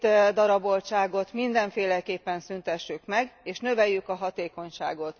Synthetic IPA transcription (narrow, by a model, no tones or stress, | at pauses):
d̪ɒɾɒbo̞lt͡ʃaːɡo̞t̪mind̪ɛɱfeːlɛkeːpːɛnsynt̪ɛʃːykmɛɡeːʃnø̞vɛjːykɒɦɒt̪eːko̞ɲʃa̰ːɡo̞t̪